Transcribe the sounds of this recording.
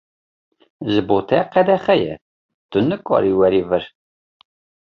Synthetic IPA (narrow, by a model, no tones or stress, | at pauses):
zəbot̪ʰɛqæd̪æχæjɛ̰ | d̪̥unːəkʼːɑ̰ɾiwæɾivəɾ